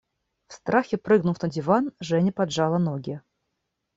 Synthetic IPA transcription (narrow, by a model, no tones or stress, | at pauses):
fst̪ɾaxʲɛpɾɨɣnufnɐd͡zʲɪvanʐɛnʲɪpad̪ʐalˠɐnɔɡʲɪ